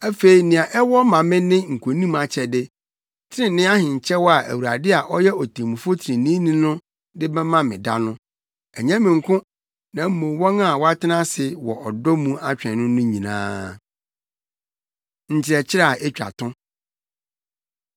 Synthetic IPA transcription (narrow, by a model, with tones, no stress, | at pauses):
æ˦fe˨i˨nɪ̃˨ã˨ʔɛ˦wɔ˦mã˨mɪ̃˦nɪ̃˦ŋ̩˨kʰʷõ˨nĩ˦ma˨t͡ɕʰɛ˨dɪ˦ | tʰɪ˦ɾɪ̃˦nɪ̃˦a˦hɪ̃˨ɲ̩˨t͡ɕʰɛ˦wɔ˦a˨ʔæ̰˨wu˨a˨dɪ˦a˨ʔɔ˦jɛ˦ɔ˨tʰe˨mũ˨fo˦tʰɾɪ̃˨nĩ˦nĩ˦nʊ̃˦ | dɪ˦bɛ˦mã˦mɪ̃˨da̰˦nʊ̃˦ | ɛ˨ɲã˦mɪ̃˨ŋ̩˨kʰʊ̃˦ | nã˨m̩˦mõ˨˦wɔ̃˦na˦˨wɔ˦a˦tʰɪ˦nã˦sɪ˨wɔ̰˨ʔɔ˨dɔ˦mũ˦a˦t͡ɕᶣɛ̃˨nʊ̃˦nʊ̃˦ɲĩ˨nã̰ː˦ | ɲ̩˨t͡ɕʰɪ˨ɾɛ˨t͡ɕʰɪ˦ɾa˦˨ʔɛ˦t͡ɕᶣa̰˨tʰʊ̃˦